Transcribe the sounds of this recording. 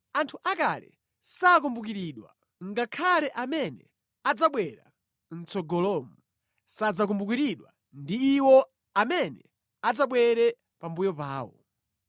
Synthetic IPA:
antʰuʔakalɛ̰ | sakumbukiɾiɗwa̰ | ŋɡakʰalɛʔamɛnɛ̰ | ad͡zaɓwɛɾa | n̩t͡sɔɡɔlɔmu | sad͡zak̬umbuk̬iɾiɗwa̰ | ndiːwɔ | amɛnɛ | ad͡zaɓwɛɾɛ | pambujɔpaːwɔ̰

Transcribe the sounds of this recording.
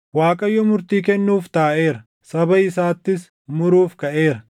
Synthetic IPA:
waːkʼɐjːɔmʊɾt̪iːkɛnːuːft̪aːʔe̞ːɾɐ | sɐbɐɪsaːt̪ːɪs | mʊɾuːfkɐʔe̞ːɾɐ

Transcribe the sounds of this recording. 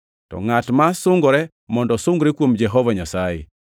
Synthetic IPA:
tɔ̰ŋatmasʊŋɡɾɛ | mɔndɔsʊŋɡɾekwomd͡ʒɛɦɔvaɲasajɛ̰

